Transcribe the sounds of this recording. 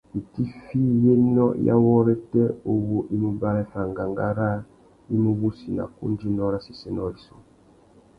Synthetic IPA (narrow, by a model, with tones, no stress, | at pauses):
i˨ti˦fi˦je˦nɔ˦ja̰˦wɔ˦ɾɛ˦tɛ˦o˦wo˦ʔi˦mu˦ba˦ɾɛ˦fa˨ŋɡa˨ŋɡa˦ɾa˦ | i˦mu˦βu˦si˨na̰˨kṵ˦n˦d͡ʒi˦nɔ˦ɾa˦si˨sɛ˦nɔ˦ɾi˨so˦